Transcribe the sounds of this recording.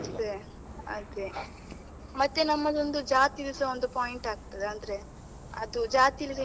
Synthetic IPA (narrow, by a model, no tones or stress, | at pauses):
d̪e | ɐ̰t̪e | mɐt̪ːenɐmːɐd̪o̞nd̪ud͡ʒaːt̪ilisɐond̪upaːjiɳʈaːɡ̚t̪ɐd̪eɐnd̪ɐɾe̞ | ɐd̪ud͡ʒaːt̪ilis̬ɐ